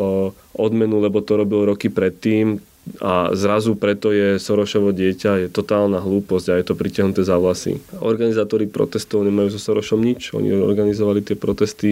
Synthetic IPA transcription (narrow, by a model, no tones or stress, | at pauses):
ʔɔd̪mɛnulɛbɔt̪ɔɾɔbilɾɔkipɾɛt̪ːiːm | a̰zɾazupɾɛt̪ɔjɛsɔɾɔʃɔʋɔɟɪɛcajɛt̪ɔt̪aːlnaɦluːpɔzɟajɛt̪ɔpɾicɪaɦnut̪ɛzaʋlasḭɔ̰ɾɡanizaːt̪ɔɾipɾɔ̰t̪ɛst̪ɔʊɲɛmajuːzɔsɔɾɔʃɔmɲit͡ʃɔ̰ɲḭɔ̰ɾɡanizɔʋalit̪ɪɛpɾɔt̪ɛst̪i